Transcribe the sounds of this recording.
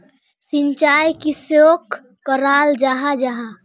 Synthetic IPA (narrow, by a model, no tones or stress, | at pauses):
sɪɲt͡ʃaːjkisjoːkː | əɾaːld͡ʒaːɦad͡ʒaɦa